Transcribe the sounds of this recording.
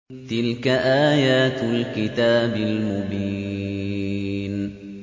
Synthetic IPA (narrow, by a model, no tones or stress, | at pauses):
t̪ɪlkaʔaːjaːt̪alkɪt̪aːbɪlmʊbiː | n